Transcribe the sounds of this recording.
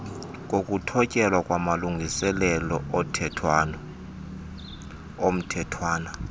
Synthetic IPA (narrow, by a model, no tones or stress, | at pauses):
k̬ʼok̬ʼutʰɔcʼɛlwakʼwamaluŋɡʱisɛlɛlɔʔɔtʰɛtʰwanɔ | om̩tʰɛtʰwaːna